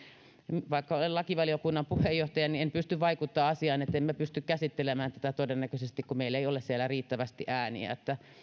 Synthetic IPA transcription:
mʋɑikːɑolellɑkiʋɑliokunːɑmpuhejjoht̪ɑjɑniempyst̪yʋʋɑikut̪ːɑːɑsiɑːnet̪ːemmæpyst̪ykkæsit̪ːelemæːnt̪æ̥t̪æt̪odenːækøsest̪ikkumeilːeiolessielːæriːt̪ːæʋæst̪iʔæːnḭæ̰et̪ːæ

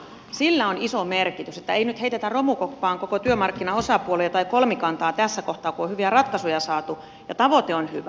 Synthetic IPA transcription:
silːæonisomerkit̪yset̪ːæeinyt̪heit̪et̪ærromukopːɑːŋkokot̪yømɑrkːinɑosɑpuolejɑt̪ɑikolmikɑnt̪ɑːt̪æsːækoht̪ɑːkuohyʋiærɑt̪kɑsujɑsɑːt̪u | jɑt̪ɑʋot̪eonhyʋæ

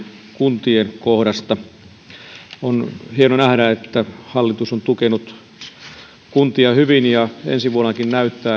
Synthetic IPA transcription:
kunt̪ienkohdɑst̪ɑ | onhienonæhdæet̪ːæhɑlːit̪usont̪ukenut̪ | kunt̪iɑhyʋinjɑḛnsiʋuonɑkinnæyt̪ːæː

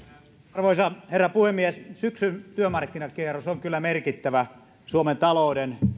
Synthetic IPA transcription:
rʋoisɑherːɑpuhemːiessyksynt̪yømɑrkːinɑkierosoŋkylːæmerkit̪ːæʋæ | suoment̪ɑloˑuden

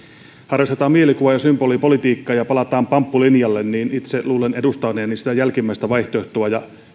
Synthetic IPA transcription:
hɑrjost̪et̪ɑːmielikuʋɑjɑsymbolipolit̪iːkːɑːjɑpɑlɑt̪ɑːmpɑmpːulinjɑlːenniːnit̪seluːlenedust̪ɑneɑninsit̪æjælkimːæˑist̪æʋɑiht̪oht̪uɑjɑ

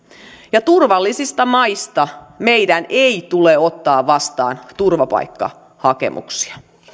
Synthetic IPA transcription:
jɑt̪urʋɑlːisist̪ɑmɑist̪ɑme̞jdænʔeit̪uleo̞t̪ːɑːʋʋɑst̪ɑ̰ːnt̪urʋɑpɑ̰jkːɑ̰ | hɑke̞̰mʔṵksi̥ɑ

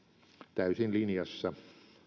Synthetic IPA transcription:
t̪æysinlinjɑsːɑ

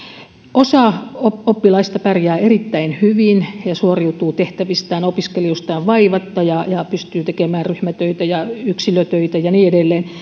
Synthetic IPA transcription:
ʔosɑoopːilɑist̪ɑpærjæːerit̪ːæinhyʋinjɑsuoriut̪uːt̪eht̪æʋist̪æːnopiskeliust̪ɑːʋʋɑiʋɑt̪ːɑjɑjɑpyst̪yːt̪ekemæːnryhmæt̪øit̪æjɑyksiløt̪øit̪æjɑniːedelːeːn

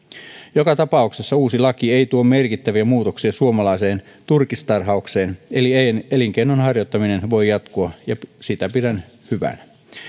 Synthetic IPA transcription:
jokɑt̪ɑpɑuksesːɑuːsilɑkie̞ijt̪uo̞mme̞rkit̪ːæʋiæmuːt̪oksiɑsuomɑlɑise̞ːn | t̪urkist̪ɑrɦɑukse̞ːnelieeliŋkeinːonhɑrjot̪ːɑmine̞nʋo̞jjːɑt̪kuɑjɑsit̪æpidæn | hyʋæ̰n

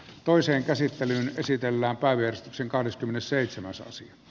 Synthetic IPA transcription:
t̪oˑiseːŋkæsit̪ːelyːnesit̪elːæːmpæˑiʋæjærist̪ykseŋkɑhdeskymːenesseˑit̪semæsɑ̰siɑ

